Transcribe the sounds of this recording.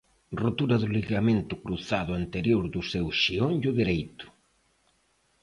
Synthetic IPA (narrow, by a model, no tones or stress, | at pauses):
rot̪uɾɐðʊliɣament̪ʊkɾuθaðʊant̪eɾjoɾðʊsewʃionjʊðiɾejt̪ʊ̥